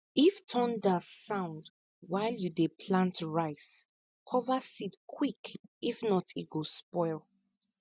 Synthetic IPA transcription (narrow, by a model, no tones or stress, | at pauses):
iftʰɔ̃ndasãʊ̃nd | waɪljudepʰlãntɹaɪs | kʰɔvasitkʰwikifnɔtʰit̚ɡospɔɪlˠ